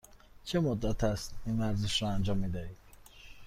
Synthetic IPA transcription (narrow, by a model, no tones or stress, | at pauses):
t͡ʃʰemod̪ːæt̪ʰæst̪iːnvæɾzeʃɾɒænd͡ʒɒːmːiːd̪æhiːd̪̥